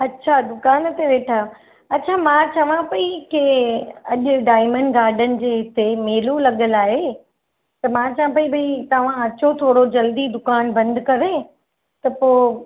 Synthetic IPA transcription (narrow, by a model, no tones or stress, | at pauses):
ɐtːɕʰad̪ʊkaːnt̪eʋeːʈʰaːjo | ɐtːɕʰamãt͡ɕɐʋ̤ãpɐikɪɐʄʊɖaːɪmə̃ɳɖɡaːɾɖənɪ̆d͡ʑeːɦɪt̪emeːlulɐɠəlaːɦe | t̪ɐmãt͡ɕɐʋ̤ãp̬ɐibɐit̪ɐʋ̤ãɐt͡ɕot̪ʰoːɽod͡ʑɐld̪id̪ʊkaːnbɐ̃nd̪ʱkɐʋe | t̪ɐpoː